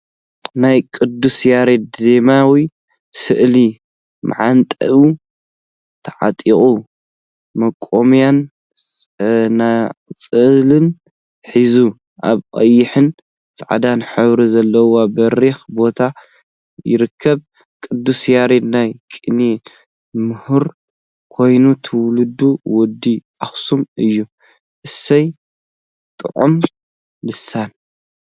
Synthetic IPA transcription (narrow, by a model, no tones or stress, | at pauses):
najkʼɨd̪ːusjaɾet̪̚ze̞mawi | sɨʔli | ma̰ʕant̪ʼɐʔu | t̪ʰɐʕa̰t̪ʼiχʼu | mɐkʼːomjan | nat͡sʼɨlɨn | ħizu | ʔa̰βkʼɐ̰jːɪħɨn | saʕa̰d̪anħɨβɾizɐlːɐwabɐɾixbo̞t̪ʰa | jɪ̰ɾɨkʰːɐβ | kʼɨd̪ːusjaɾet̪najkʼini | mɨhɨɾ | kʰo̞jnut̪ʰɨwlud̪uwɔd̪ːiʔaxsumɨjːu | ʔɨsɐj | t̪ʼɨʕum | lɨsːan